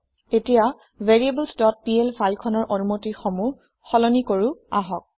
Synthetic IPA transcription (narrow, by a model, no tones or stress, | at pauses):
etija | vʱeɹiebəlsdɔt̚pielfajkʰɔnɔɹʔonumotiɹxɔmu | xɔlɔnikoɹua̰ɦɔk̚